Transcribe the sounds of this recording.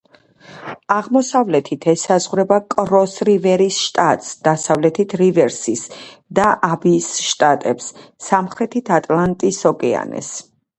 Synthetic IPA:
aʁmɔsavlɛt̪ʰit̪ʰɛsazʁɾɛbakʼɾɔsɾivɛɾisʃt̪ʼat̪ʼsd̪̥asavlɛt̪ʰit̪ʰɾivɛɾsisd̪aʔabiːsʃt̪ʼat̪ʼɛpsːamχɾɛt̪ʰit̪ʰat̪ʼlˠant̪ʼisɔkʼɛa̰nɛ̰s

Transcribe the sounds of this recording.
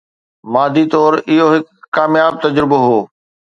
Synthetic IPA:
maːd̪ʱit̪ɔːɾɪɦoɦɪkːaːmjaːb̚t̪ɐd͡ʑɾɪboɦoː

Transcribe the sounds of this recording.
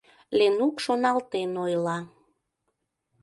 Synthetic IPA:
lenukʃonɑlt̪enojlɑ

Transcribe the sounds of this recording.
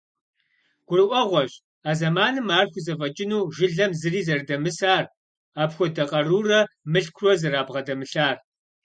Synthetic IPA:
ɡ̥ʷʊrɨʔʷɔʁʷɔɕʼ | aːzɐmaːnɨmaːrxʷʊzɐfʼɐt͡ʃʼɪnuːʒɪɮɐmzɨriːzɐrdɐmɨsaːr | aːpxʷɔdɐqʼɐruːrɐmɨɬkʷʰrɔzɐɾaːbʁɐdɐmɨɬaːr

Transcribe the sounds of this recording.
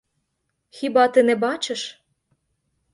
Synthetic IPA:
xibɑt̪ĕnebɑt͡ɕɤ̆ʃ

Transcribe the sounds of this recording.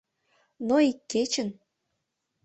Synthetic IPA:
noikːet͡ɕə̆n

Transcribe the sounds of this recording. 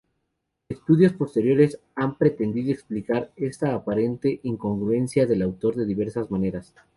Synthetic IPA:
est̪uðjo̞spo̞st̪e̞ɾjo̞ɾe̞s | ampɾe̞t̪e̞nd̪iðoeksplikaɾe̞st̪aːpaɾe̞nt̪e̞ʔiŋko̞ŋɡɾue̞nsjaðe̞lawt̪o̞ɾðe̞ðiβe̞ɾsazmãne̞ɾas

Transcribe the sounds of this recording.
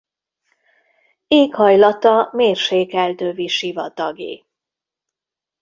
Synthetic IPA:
eːkhɒjlɒt̪ɒmeːrʃeːkɛlt̪øːviʃivɒt̪ɒɡḛː

